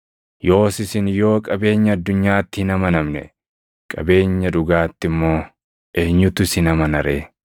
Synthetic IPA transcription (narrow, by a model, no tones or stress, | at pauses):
jo̞ːsɪsɪnjo̞ːkʼɐbe̞ːɲːɐɐd̪ːʊɲːaːt̪ːɪhɪnɐmɐnɐmnɛ̰ | kʼɐ̰be̞ːɲːɐᶑʊɡaːt̪ːɪmːo̞ː | ʔeːɲːʊt̪ʊɪsɪnɐmɐnɐɾeː